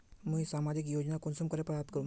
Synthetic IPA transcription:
mũsaːmaːd͡ʒɪkjoːd͡ʒnakʊnsumkɐɾepɾaːpt̪̚kəɾũː

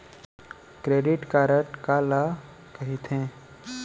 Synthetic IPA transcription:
kɾeːɖɪʈkaːɾəʈkaːla | kɐɦit̪ɦẽː

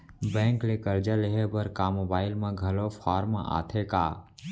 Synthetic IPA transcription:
bɛ̃ːŋklekəɾd͡ʒaleɦebəɾkaːmobaːɪlmẽɡʱɐlopʰaːɾmãʔa̰ːt̪ʰekaː

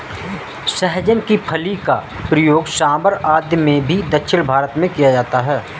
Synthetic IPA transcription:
ʃɛɦd͡ʒənkipʰɐlika | pɾəjoːɡʃaːməɾaːd̪jəmẽbʱid̪əkʃʰɪnbʱaːɾət̪mẽkijad͡ʒaːt̪aɦɛː

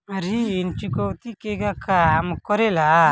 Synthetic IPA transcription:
ɾiːnt͡ʃukɔwt̪ikeɡakamkɔɾɛla

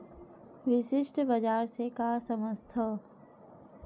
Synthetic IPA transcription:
ʋɪʃɪʃʈbəd͡ʒaːɾsekaːsəməst̪ʰə

